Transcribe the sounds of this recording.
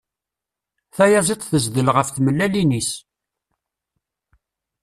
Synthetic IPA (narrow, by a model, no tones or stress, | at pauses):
θæjɑzˤet̪ˤθəzd̪əlʁəfθməlːælinis